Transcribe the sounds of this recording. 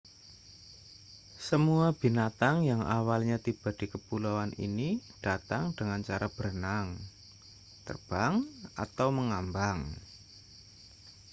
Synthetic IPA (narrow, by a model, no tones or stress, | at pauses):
səmuab̥i̤nat̪aŋjaŋʔa̰walɲat̪ib̥a̤d̥i̤kəpulawanḭnid̥at̪aŋdəŋant͡ʃaɾab̥əɾənaŋ | t̪ə̰rb̥aŋʔa̰t̪awməŋambaŋ